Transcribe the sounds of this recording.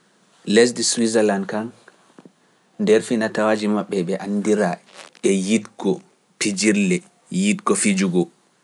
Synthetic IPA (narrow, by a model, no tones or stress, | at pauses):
les̬diswizɛlandkan | ndɛɾfinatawad͡ʒimaɓːɛɓɛʔandiɾaɛjitɡɔ | pid͡ʒiɾlɛ | jitɡɔfid͡ʒuɡɔ